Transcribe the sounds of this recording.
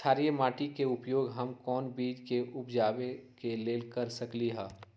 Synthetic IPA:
sʰaːɾimaːʈikeʊpjoːɡɦɐmkɔːnbiːd͡ʒkeʔʊpd͡ʒaːbekeleːlkɐɾsɐkliɦɛː

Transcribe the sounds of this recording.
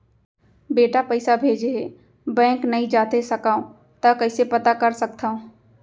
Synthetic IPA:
beːʈapəɪsabʱeːd͡ʒeɦeː | bɛ̃ːŋknɐĩd͡ʒaːt̪esɐkaːũ | t̪akɐɦɪsepɐt̪akɐɾsɐk̚t̪ʰaːũ

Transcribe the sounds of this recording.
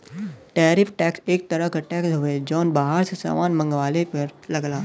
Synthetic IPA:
ʈɛːɾɪfʰʈɛːkseːk̚t̪ɐɾəɦkaʈɛːksɦʊed͡ʒɔːnbaːɦaɾsesa̰ːmaːnmɐ̃ŋɡwaːlepɐɾlɐɡlaː

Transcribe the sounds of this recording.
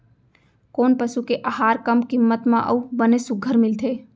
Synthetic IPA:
koːnpəsukeʔaɦaːɾkəmkimːət̪mãʔə̰ubənesʊɡʱːəɾmɪlt̪ʰeː

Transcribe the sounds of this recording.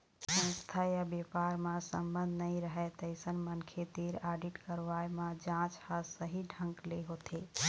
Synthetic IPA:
sə̃nst̪ʰajabepaɾmãsə̰mbənd̪ʱnəĩɾəɦɛt̪əɪsənmənkʰet̪iɾaɖiʈkəɾʋajmãd͡ʒãt͡ʃhəsəɦiɖʱə̃ŋkleɦot̪ʰe

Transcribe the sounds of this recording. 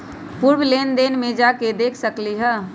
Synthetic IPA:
puɾwleːnd̪eːnmẽd͡ʒaked̪eːkʰsəkliɦɛ

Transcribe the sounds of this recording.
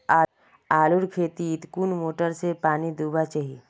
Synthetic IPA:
a | aːlʊɾkʰeːt̪iːt̪kuːnmoːʈəɾsepaːnid̪uːbat͡ʃəɦi

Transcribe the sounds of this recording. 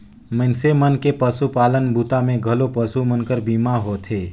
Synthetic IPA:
mɪnsemənkepəsupaːlənbuːt̪amẽɡʱəlopəsumənkəɾbiːmaɦoːt̪ʰeː

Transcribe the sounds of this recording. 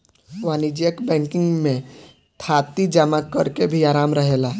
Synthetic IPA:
ʋaːnid͡ʒijəkbɛ̃ːŋkɪ̃ŋɡmẽ | t̪ʰaːt̪id͡ʒəmakəɾkebʱiaːɾaːmɾəɦeːlaɦ

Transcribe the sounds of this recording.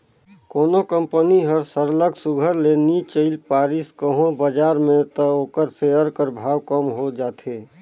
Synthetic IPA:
koːnokəmpəniɦəɾsəɾləɡsʊɡʱəɾlenit͡ʃəɪlpaːɾiskəɦõbəd͡ʒaːɾmẽt̪əoːkəɾseəɾkəɾbʱaːwkəmɦod͡ʒaːt̪ʰeː

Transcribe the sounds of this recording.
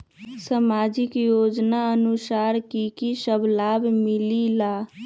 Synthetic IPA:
səmaːd͡ʒɪkjoːd͡ʒnaənʊsaːɾkikisəblaːbmɪlilaː

